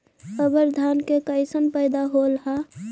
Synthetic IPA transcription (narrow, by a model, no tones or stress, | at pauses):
əbəɾd̪ʱaːnkekəɪsənpəjd̪aɦolɦa